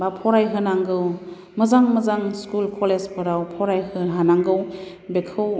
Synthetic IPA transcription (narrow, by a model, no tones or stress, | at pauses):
bapʰɔɾajɦɯnaŋɡɯw | mɯzaŋməzaŋskulkʰɔlespʰɯɾawpʰɔɾajhɯnɦanaŋɡɯw | bekʰɯw